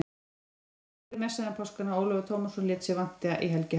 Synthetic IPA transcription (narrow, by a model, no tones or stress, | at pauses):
ɪmɛsaðɛmpʰɔwskanaoːwlœvʏt̪ʰoːmasɔnlɪːt̪sɪvan̥t̪ɪaʔiɦɛlcɪ